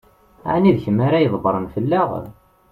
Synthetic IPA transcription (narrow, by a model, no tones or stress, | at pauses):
ʕaniðçəmːaɾajəðˤbəɾˤənfəlːaʁ